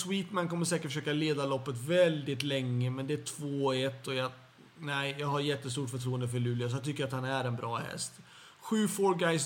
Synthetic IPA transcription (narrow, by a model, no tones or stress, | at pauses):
swiːt̪mankʰɔmːəɾʂsɛːkəʈfəʂøːkaleːd̪alɔpːət̪vɛld̪ɪt̪lɛŋːəmɛnd̪ɛæʈʰvoːɛt̪ːɔjɑ | næɪjɑːɡhaɾjɛt̪ːəst̪uːʈfœʈʰɾuːənd̪əfœɭʉ̟ːlɪas̬ɔhat̪ʰʏkːəɾjat̪hanæɾɛnbɾɑːhɛ̰st̪ | ɧʉ̟ːfoːɾɡajs